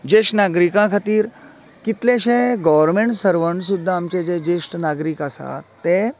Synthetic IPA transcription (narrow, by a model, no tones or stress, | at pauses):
d͡ʑesʈnaɡɾikãkʰat̪iːɾ | kit̪lẽɕẽɡɔʋəɾmeɳʈsəɾʋəɳsud̪ʱːaːmt͡ɕed͡ʑed͡ʑesʈnaɡɾikəsa̰t̪ːe